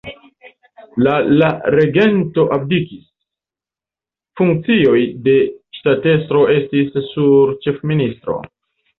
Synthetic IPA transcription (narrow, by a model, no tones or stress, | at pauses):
lalaɾe̞ɡe̞nto̞ʔab̚dikis | fuŋk̚t͡sio̞jde̞ʃtate̞stɾo̞e̞stisːuɾt͡ʃe̞fministɾo̞̰